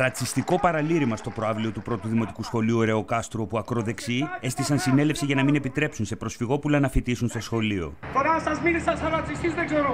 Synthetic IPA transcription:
ɾɐt͡sist̪iko̞pɐɾɐliɾimɐst̪o̞pɾo̞ɐvlio̞t̪upɾo̞t̪uðimo̞t̪i̥kusxo̞liuoɾe̞okɐst̪ɾuopuɐkɾo̞ðe̞ksie̞st̪isɐnsine̞le̞fsiʝɐnɐmine̞pit̪ɾe̞psunse̞pɾosfiɣo̞pulɐnɐfit̪isunst̪o̞sxo̞lio̞̰t̪oɾɐsɐzminisɐsɐɾɐt͡sist̪izðeɡzeɾo

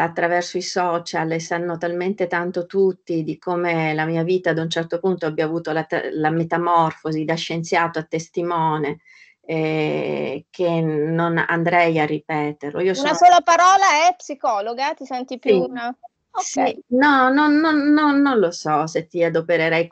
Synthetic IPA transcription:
at̪ːɾavɛrsoisɔt͡ʃalesanːot̪alment̪et̪ant̪ot̪ut̪ːid̪ikomelamiːaviːt̪aːd̪unt͡ʃɛrt̪opunt̪oabːjavuːt̪olat̪lamet̪amɔrfozid̪aʃːent̪sjaːt̪oat̪ːest̪imɔːne | ɛ | k̟ʰenːona̰nd̪ɾɛjarːipɛːt̪erloiːosunasoːlapaɾɔːlaɛpːsikɔːloɡat̪isɛnt̪ipima | osinɔnonːonːonːonlosɔset̪ːiad̪opeɾeɾɛj

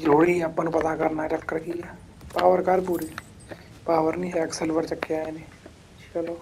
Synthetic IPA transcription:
ɾoːɽiɐpːənpɐt̪akɐɾnat͡ʃəkːəɾkija | paːʋəɾkɐɾpuːɾe | paːʋəɾnĩːɦɛɐksəlʋəɾt͡ʃɐkːeaːeneː | t͡ʃɐloː

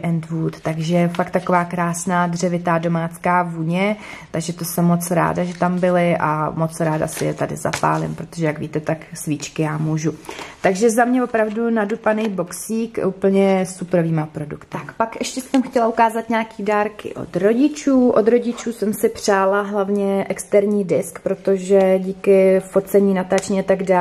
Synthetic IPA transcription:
ʔɛnt̪vuːt̪t̪aɡʒɛfakt̪ako̞vaːkɾaːsnaːd̪rɛvɪt̪aːdo̞maːt͡skaːvuːɲɛ | tt̪aɡʒɛt̪o̞sɛmːo̞t͡sɾa̰ːdaʒɛt̪ambɪlɪʔa̰mo̞t͡sɾaːda̰sɪjɛt̪adɪ̰za̰pa̰ːlɪ̰mpɾo̞t̪o̞ʒɛjaɡviːt̪ɛt̪aksviːt͡ʃkɪjaːmuːʒut̪aɡʒɛzamɲɛvo̞pɾavdunadupanejbo̞ksiːkuːpl̩ɲɛsupɾo̞viːmapɾo̞dukt̪akpakʔɛʃcɛsɛmxcɛlaukaːzat̪ɲaːkiːdaːɾkɪ̰ʔo̰t̪ɾo̞ɟɪt͡ʃuːʔo̞d̪ɾo̞ɟɪt͡ʃuːsɛmsɪpr̝̥aːlaɦlavɲɛʔɛkst̪ɛɾɲiːdɪskpɾo̞t̪o̞ʒɛɟiːkɪfo̞t͡sɛɲiːnat̪aːt͡ʃɲiat̪aɡdaː

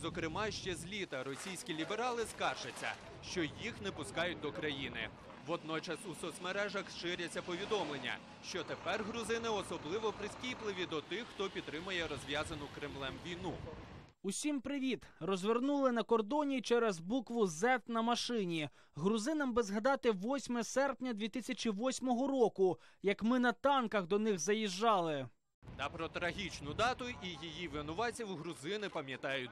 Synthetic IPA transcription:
zɔkɾɪmɑʃt͡ʃɛzʲlʲit̪ɐɾɔsʲijsʲkʲilʲibeɾɑlˠɪskɑrʒɐt͡sʲːɐ̰ | ʃt͡ʃɔjixnɛpʊskɑjʊt̚ʲd̪ɔkɾɐjinɪ̰ | ʋɔd̪̚nɔt͡ʃɐsusɔsmeɾɛʒɐxsʃɪɾʲɐt͡sʲːɐpɔʋʲid̪ɔmlˠenʲːɐ̰ | ʃt͡ʃɔt̪epɛrɦɾʊzɪnɪɔsɔblˠɪʋɔpɾɪsʲkʲiplˠɪʋʲid̪ɔt̪ɪxːt̪ɔpʲid̪t̪ːɾɪmʊjɛɾɔzʲʋʲjazɐnʊkɾɪmlˠɛmʋʲijnu | usʲimpɾɪʋʲit̪rɔzʲʋʲernulˠɪnɐkɔrd̪ɔnʲit͡ʃɛɾɛzbukʋʊzɛt̪nɐmɐʃɪnʲi | ɦɾʊzɪnɐmbɪzɦɐd̪ɑt̪ɪʋɔsʲmɛsɛrpnʲɐd̪ʲʋʲit̪ɪsʲɐt͡ʃiʋɔsʲmɔɦɔɾɔkʊjɐkmɪnɐt̪ɑnkɐɣd̪ɔnɪɣzɐjiʒːɑlˠɪ | t̪ɐpɾɔt̪ɾɐɦʲit͡ʃnʊd̪ɑt̪ʊijijiʋɪnʊʋɑt͡sʲiwɦɾʊzɪnɪpɐmʲjɐt̪ɑjʊ

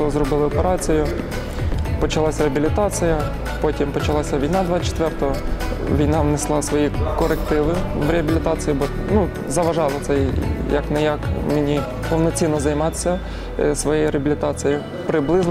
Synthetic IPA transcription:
ɔzrɔbɪlˠɪɔpeɾɑt͡sʲijʊ | pɔt͡ʃɐlˠɑsʲɐɾeɐbʲilʲɪt̪ɑt͡sʲijɐ | pɔtʲimpɔt͡ʃɐlˠɑsʲɐʋʲijnɑd̪ʋɑt͡ʃe̥t̪ʋɛrt̪ɔɦɔ | ʋʲijnɑʋnɪslˠɑsʋɔjikɔɾekt̪ɪʋɪʋɾʲeɦɐbʲilʲɪt̪ɑt͡sʲɪjibɔnu | zɐʋɐʒɑlˠɔt̪sɛjjɐ̰knɛjakmɪnʲi | pɔwnɔt͡sʲinːɔzɐjmɑt̪e̥sʲɐ | sʋɔjejiɾeɐbilʲɪt̪ɑt͡sʲɪji | pɾɪblˠɪzn

